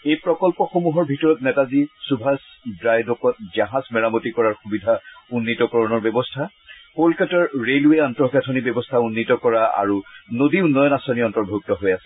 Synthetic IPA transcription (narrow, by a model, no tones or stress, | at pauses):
ejpɹɔkɔlpɔxomuɦɔɹbʱitɔɹɔtnɛtazisubʱas | bɹajdɔkɔt̚zaɦasmɛɹamotikɔɹaɹxubidʱaunːitɔkɔɹɔnɔɹbɛbɔstʰa | kolkɛtɔɹɹelueantɔɡatʰɔnibɔbɔstʰaunːitɔkɔɹaa̰ɹunodiunːɔjɔnasaniɔntɔɹbʱok̚tɔɦojasɛ̥